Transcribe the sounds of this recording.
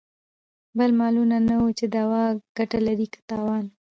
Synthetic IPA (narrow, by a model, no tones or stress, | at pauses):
bəlmɑlunanawut͡ʃed̪awɑɡ̥aʈalaɾikḁt̪ɑwɑn